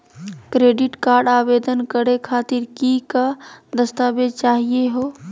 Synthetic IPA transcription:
kɾeɖiʈkaːɾɖaːbed̪ənkəɾekʰat̪iɾkikad̪əst̪aːbed͡ʒ̪t͡ʃaɦijeɦo

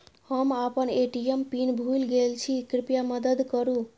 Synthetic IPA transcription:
həmapəneʈijempinbʱulɡelt͡ʃʰikɾipjaməd̪əd̪kəɾũ

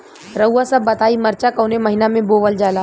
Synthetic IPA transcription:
ɾəuːasəbːɐt̪aːimɐɾt͡ʃakɐʊnemɐɦɪnamẽboːʋəld͡ʒaːlaː

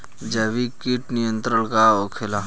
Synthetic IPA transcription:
d͡ʒɐʋikiʈnijə̃nt̪ɾəɳkaokʰela

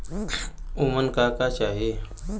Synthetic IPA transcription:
umənkakat͡ɕaɦi

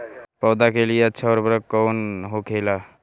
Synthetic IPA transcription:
pɔːd̪akelieətːʃʰaɔɾbɾəkɔːnɦokʰeːla

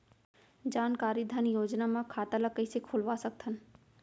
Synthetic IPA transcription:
d͡ʒaːnkaːɾid̪ʱanjoːd͡ʒnamãkʰaːt̪ələkəisekʰolʋasək̚t̪ʰən

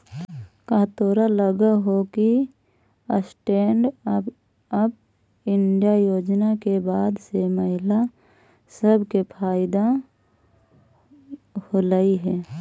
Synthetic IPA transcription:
kaːt̪oːɾaləɡaɦoki | əsʈeːɳɖ | əb | ɪɳɖijajoːd͡ʒnakebaːd̪seməɦɪla | səbkepʰaːɪd̪a | holaiɦɛː

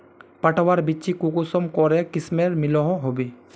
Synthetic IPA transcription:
pɐʈʰwaɾbit͡ʃikukusɔmkɔɾekɪsmeɾmɪlɔɦɔ̃ɦobe

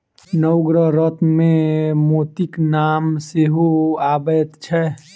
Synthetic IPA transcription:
nəʊɡɾəɦɾət̪ʰmẽmot̪iknaːmseɦoaːbət̪t͡ʃʰɛ

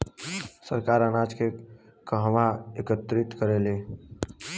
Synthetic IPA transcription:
səɾkaːɾənaːd͡ʒke | kəɦʋaekət̪ɾɪt̪kəɾeːleː

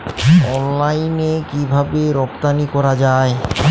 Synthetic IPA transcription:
ɔnlajnekibʱabeɾɔpt̪anikɔɾad͡ʑae

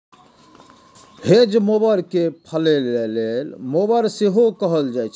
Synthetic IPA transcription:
hed͡ʒmobəɾkepʰəlelelelmobəɾseɦokəɦəld͡ʒajt͡ʃʰ

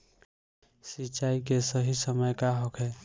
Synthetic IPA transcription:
sit͡ʃaːikesəɦisəməjkaɦɔkʰɛː

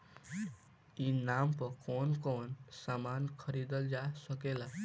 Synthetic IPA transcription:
inampəɾkɔnkonsamankʰəɾid̪əld͡ʒasəkela

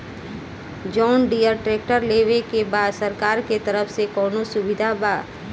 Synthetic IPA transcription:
d͡ʒɔːnɖijəɾʈɾeːk̚ʈəɾleːʋekebaːd̪səɾkaːɾket̪ɐɾəfsekɔːnosʊbɪd̪ʱabaː

